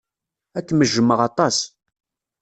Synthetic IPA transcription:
ækːməʒːəmːəʁɑt̪ˤɑs

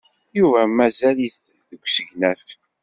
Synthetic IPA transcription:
juvæmæzæliθðəɡʷːsəʝnæf

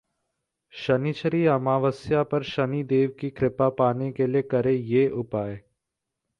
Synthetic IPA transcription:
ʃənit͡ʃʰəɾiəmãːʋəsjapɐɾʃənid̪eːʋkikɾɪpapaːnekeliekəɾejeːʔʊpaːeː

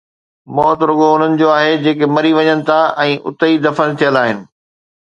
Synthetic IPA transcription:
mɔːt̪ɾʊɠoʊn̤ənɪ̆d͡ʑoaːɦed͡ʑeːkemɐɾiʋɐɲənɪ̆t̪ʰaʔɛ̃ːʔʊ̰t̪əid̪ɐfənɪ̆t̪ʰijəlaːɦɪnɪ̆

